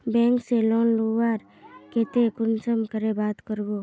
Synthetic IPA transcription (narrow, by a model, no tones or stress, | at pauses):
bɛ̃ːŋkselɔːnluʋaːɾ | keːt̪ekʊnsəmkəɾebaːt̪kəɾɡoː